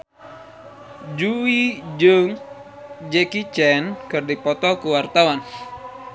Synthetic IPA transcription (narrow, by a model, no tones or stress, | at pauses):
d͡ʒuid͡ʒɨŋ | d͡ʒɛkit͡ʃɛnkɨrdipɔt̪ɔkuwart̪awan